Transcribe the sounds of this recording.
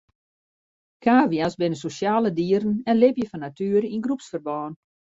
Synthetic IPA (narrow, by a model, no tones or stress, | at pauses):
kaːʋjasbɪnəsosjaːlədiəɾən̩ɛnlɪpjəfɔnatyəɾinɡrupsfərbɔːn